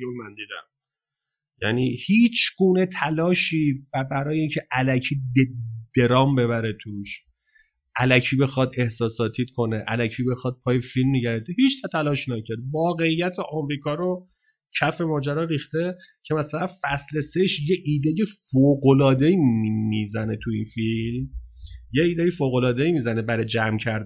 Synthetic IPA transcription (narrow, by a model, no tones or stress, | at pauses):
mænd̪iːd̪æ̰m | jæ̰niːhiːt͡ʃʰɡuːne̞t̪ʰælɒːʃiːbæbæɾɒːjeiːncʰeʔælæcʰiːd̪ed̪̥e̞ɾɒːmbe̞βæɾet̪ʰuʃ | ʔælæcʰiːbe̞xɒd̪e̞hsɒːsɒːt̪ʰiːt̪kʰo̞neʔæ̰læcʰiːbe̞xɒːd̪̚pʰɒːjefilmniɟæɾed̪eɦiːt͡ʃʰt̪ʰt̪ʰælɒːʃinæcʰæɾd̪vɒːɣe̞ijːæt̪ʰeʔɒːmɾiːkʰɒːɾo | cʰæfe̞mɒːd͡ʒæɾɒːɾiːxt̪e̞cʰe̞mæsælænfæsleseʃjeʔiːd̪ejefoːɡolɒːd̪e̞iimizæne̞t̪ʰuiːnfilmje̞iːd̪ejefoːɣo̞lɒːd̪eimiːzænebæɾed͡ʒæmcʰæɾd̪